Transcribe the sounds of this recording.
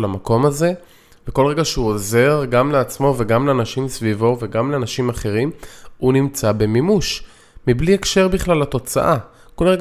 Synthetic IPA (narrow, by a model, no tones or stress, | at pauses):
lamako̞maze̞ | veko̞lʁeɡaʃeuoze̞ʁɡamleat͡smo̞ve̞ɡamleanaʃimsvivo̞ve̞ɡamleanaʃimaχe̞ʁimunimt͡sabe̞mimuʃ | mibliekʃe̞ʁbiχlalhat̪o̞t͡sa̰ʔa | kolʁeɡ